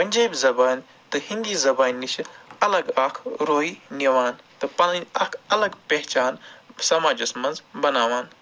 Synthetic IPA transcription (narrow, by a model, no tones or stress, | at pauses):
pɐnʲd͡ʒaːbzɐbaːnʲ | t̪ɨhind̪iːzɐbaːnʲːit͡ʃʰɐlɐɡaːkʰɾoːiniʋaːnt̪ɨpɐlinʲɐkʰɐlɐɡpeɦt͡ʃaːnsɐmaːd͡ʒɐsmɐ̃nzbɐnaːʋaːn